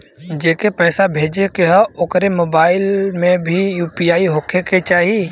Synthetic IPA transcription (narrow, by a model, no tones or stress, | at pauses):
d͡ʒeːkepɛːsabʱeːd͡ʒekeɦɔʊkɾemoːbaːɪlmẽbʱijuːpijaːiɦokʰeket͡ʃaːɦie